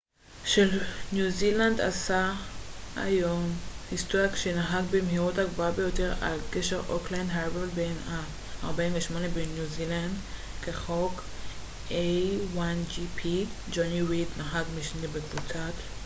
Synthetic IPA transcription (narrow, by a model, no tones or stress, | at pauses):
ʃelnjuziland̪a̰sa | a̰jomhist̪ojakʃenaɦaɡbemɦiʁutaɡvabejoteʁa̰lkeʃeʁʔo̰klandɦaʁblbenhaː | ʁbainveʃmo̞nebenjuziland | keχok | ejwand͡ʒipʰi | d͡ʒoniʁid̪naɦaɡmiʃnebekvut͡sat